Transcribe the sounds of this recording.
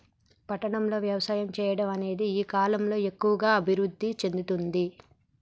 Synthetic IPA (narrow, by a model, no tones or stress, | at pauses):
pɐʈːɐɳɐmlo̞ːʋjɐʋɐsaːjɐmt͡ʃɛːjɐɽɐmɐne̞ːd̪iiːkaːlɐmlo̞ːe̞kːuʋɐɡaːɐbʱiɾud̪ʱːit͡ʃe̞nd̪ut̪und̪i